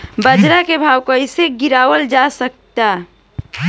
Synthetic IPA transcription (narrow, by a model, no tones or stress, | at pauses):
bəd͡ʒɾakebʱaːwkoəɪseɡiɾaːwəld͡ʒasək̚t̪a